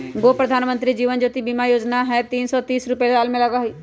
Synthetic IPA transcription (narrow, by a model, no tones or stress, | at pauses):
ɡoːpɾəd̪ʱaːnmə̃nt̪ɾid͡ʒiːʋənd͡ʒoːt̪ibiːmajoːd͡ʒnaɦɛt̪iːnsɔːt̪iːsɾʊpeaːlmẽlɐɡaɦʊiː